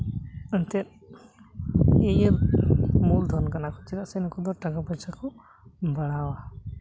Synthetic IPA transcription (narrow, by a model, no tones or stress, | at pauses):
ənt̪ɛɾ | ejəɾmuld̪ʱɔnkanakʰɔt͡ʃiɾaʔsɛnɔkɔd̪ɔɾʈakapɔjsakʰɔ | bəɽ̃awa